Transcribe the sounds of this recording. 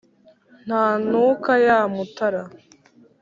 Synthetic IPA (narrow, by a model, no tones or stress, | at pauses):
n̥haːnuːkajaːmutaɾa